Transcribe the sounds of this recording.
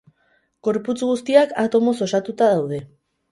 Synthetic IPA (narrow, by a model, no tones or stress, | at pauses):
ɡ̥o̞ɾput͡sɣust̪iakat̪o̞mo̞so̞sat̪ut̪aðawð̞e̞